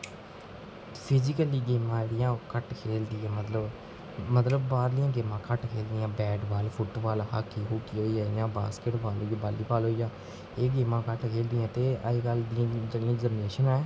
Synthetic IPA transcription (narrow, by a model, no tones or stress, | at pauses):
pʰɪzɪkəliːɡeːmãːd͡ʒeːɽɪjãːkəʈkʰeːld̪ɪːɛ̃ːmət̪ləb | mət̪ləbːaːɾlɪjãːɡeːmãːkəʈkʰeːld̪ɪːãːbɛːɖʋaːlpʰʊʈʋaːlɦaːkːiːɦoːkːiːɦoːiaːjãːba̰ːskeʈbaːloːabaːlːiːpaːlɦoːiːjãː | eːɡeːmãːkəʈkʰeːld̪ɪjãːt̪eːəiːkəld̪ɪ̃d͡ʒeːɽɪjãːzəmneːʃənɛː